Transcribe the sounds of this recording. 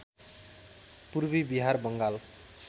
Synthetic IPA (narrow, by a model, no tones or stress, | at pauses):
purbibiɦarbʌŋɡal